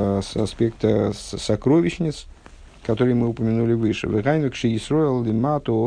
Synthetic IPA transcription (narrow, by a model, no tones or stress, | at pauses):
sɐspʲekt̪əsɐkɾovʲɪɕnʲɪt̪s | kɐt̪oɾɨjmɨʊpəmʲɪnulʲɪvɨʂɨ̰vɨʁajnʊkʂɨjɪsɾojɪlˠd̪ʲɪmat̪ʊ